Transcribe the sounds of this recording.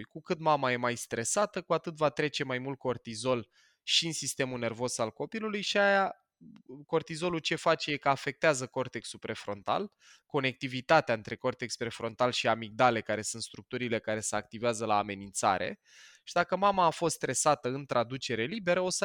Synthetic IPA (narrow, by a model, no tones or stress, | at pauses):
jkukɨt̪mamaje̞majst̪ɾe̞sat̪əkuat̪ɨt̪vat̪ɾe̞t͡ʃe̞majmult̪̚ko̞rt̪izo̞l | ʃiɨnsist̪e̞mune̞rvo̞salko̞pilulujʃiaja | ko̞rt̪izo̞lut͡ʃe̞fat͡ʃejekəafe̞k̚t̪eazəko̞rt̪eksupɾe̞fɾo̞nt̪a̰l | ko̞ne̞k̚t̪ivit̪at̪eaɨnt̪ɾe̞ko̞rt̪ekspɾe̞fɾo̞nt̪alʃiamiɡ̚d̪ale̞kaɾe̞sunt̪st̪ɾuk̚t̪uɾile̞kaɾe̞seak̚t̪iveazəlaːme̞nint̪sa̰ɾʔe̞̰ | ʃid̪akəmamaːfo̞st̪st̪ɾe̞sat̪əɨnt̪ɾad̪ut͡ʃe̞ɾe̞libe̞ɾəo̞sə